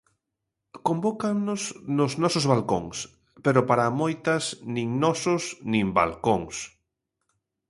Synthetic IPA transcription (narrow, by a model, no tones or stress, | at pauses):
kombokanʊsnʊznɔsozβalko̰ŋs | peɾʊpaɾamojt̪ɐsnĩŋnɔsʊsnĩmba̰lkoŋs